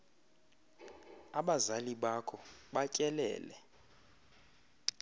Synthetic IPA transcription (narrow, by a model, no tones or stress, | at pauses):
aɓazaliɓakʰɔɓacʼɛlɛ̰ːlɛ